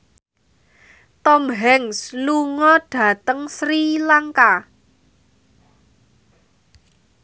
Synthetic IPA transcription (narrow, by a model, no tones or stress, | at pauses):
t̪ɔmɦɛŋsluŋɔɖ̥ä̤t̪əŋsɾilaŋka